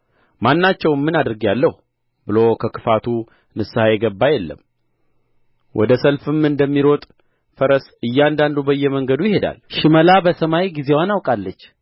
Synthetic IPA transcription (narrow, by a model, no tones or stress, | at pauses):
manːat͡ʃːɛwnmːɨnad̪ɨɾɡjalːəhu | bɨlokʰəkʰɨfat̪ʰu | nɨsːɨhajɛɡəbːajɛlːə̰m | wʔɔ̰d̪əsəlfɨmɨnd̪əmːiɾot̪ʼ | fəɾəsɨjːand̪and̪ubəjːɛməŋɡəd̪ujɪhe̞d̪a̰lʃɪməlabəsəmajjɡize̞wanawkʼalːət͡ʃː